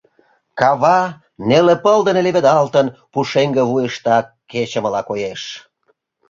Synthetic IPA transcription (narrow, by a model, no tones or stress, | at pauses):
kɑβɑ | nelepəld̪əneleβed̪ɑlt̪ənpuʃeŋɡəβujəʃt̪ɑ | ket͡ɕə̆məlɑkojeʃ